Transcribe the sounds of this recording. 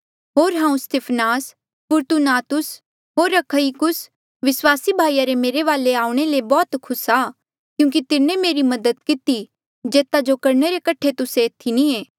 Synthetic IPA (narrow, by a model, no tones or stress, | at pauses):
ɦoːɾɦãːũst̪ɪpʰnaːs | pʊːɾt̪unaːt̪ʊs | ɦoːɾːɐkʰəikʊs | ʋɪswaːsibʱaːijaɾemeːɾeʋaːleaːũɽ̃elebɔːt̪kʰʊsaː | kjũːŋk̬it̪ɪnẽmeːɾimɐd̪əd̪kɪt̪i | d͡ʒeːt̪ad͡ʒokɐɾneɾekɐʈʰet̪ʊset̪ʰːinĩẽː